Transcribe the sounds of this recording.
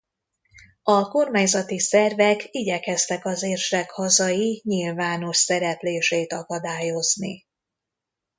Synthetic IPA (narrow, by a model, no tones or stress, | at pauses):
ɒko̞rmaːɲzɒt̪isɛrvɛkiɟɛkɛst̪ɛkɒzeːrʃɛkhɒzɒjiɲilvaːno̞ʃsɛɾɛpleːʃeːt̪ɒkɒd̪aːjo̞zni